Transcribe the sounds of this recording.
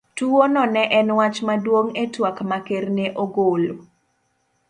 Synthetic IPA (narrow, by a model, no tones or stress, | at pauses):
tuwonɔnɛʔɛnwat͡ʃmadwoŋetwakmakerneʔoɡolo